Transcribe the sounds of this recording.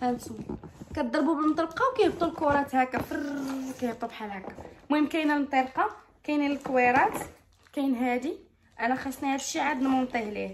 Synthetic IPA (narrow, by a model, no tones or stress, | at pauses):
hænsukæt̪̚d̪ˤɑɾˤbubəlmt̪ˤəlqɑwkæjəb̚t̪ˤːulkuwɾˤɑt̪hækæfɑɾkæjəbt̪ˤːubħalhækammkæjnælmt̪ˤeɾqɑ | kæjniləlkweɾˤɑt̪ | kæjnɦæd̪i | ʔænæxæʃnihæd̪ʃːiʕad̪nmumt̪ˤehlih